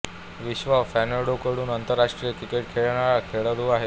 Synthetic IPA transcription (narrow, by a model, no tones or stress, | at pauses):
ʋiɕʋafænəɽokəɽuːnənt̪əɾːaʂʈɾiəkikeʈkʰeɭɳaɭakʰeɭəluːaɦe